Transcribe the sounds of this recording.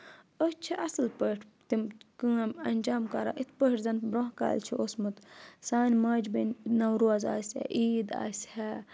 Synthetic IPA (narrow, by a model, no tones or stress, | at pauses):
ət͡ʃʰiʔɐsɨlpəːʈʰt̪imkɨɐmɐnʲd͡ʒaːmkaːɾa̰ːʔit̪ʰpəʈzɐnbɾoɦka̰ːlt͡ʃʰiosmɨt̪saːnʲmaːd͡ʒbinnɐwɾuaza̰ːsʲɛ̰ʔiːd̪a̰ːsʲhɛ